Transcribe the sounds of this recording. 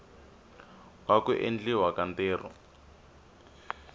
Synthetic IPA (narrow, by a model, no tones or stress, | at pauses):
wakuʔḛnd͡ɮiwakanteːr̤ɔ̰